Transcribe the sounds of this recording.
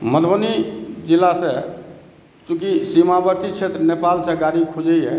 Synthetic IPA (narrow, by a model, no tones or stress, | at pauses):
məd̪ʱbənid͡ʒilːase | t͡ʃũkisimabəɾt̪it͡ʃʰet̪ɾənepalsẽɡaɾikʰud͡ʒəjɦɛ̰